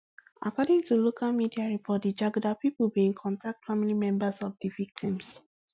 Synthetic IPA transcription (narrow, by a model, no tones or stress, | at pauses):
ʔa̰kɔdĩŋtulokʰalmidiaɹipʰɔt̚did͡ʒaɡdapipəlbiĩŋkʰɔ̃ntʰak̚tfamilimɛ̃mbəsɔvdivik̚tʰĩms